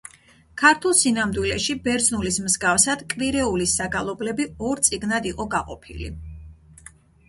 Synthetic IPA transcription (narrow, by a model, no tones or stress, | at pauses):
kʰaɾt̪ʰulˠsinamd̪wilɛʃibɛɾd̪znulismzɡafsad̪̥kʼviɾɛulisaɡalˠɔblɛbiɔɾt̪sʼiɡnad̪iqʼɔɡaqʼɔ̰pʰḭlḭ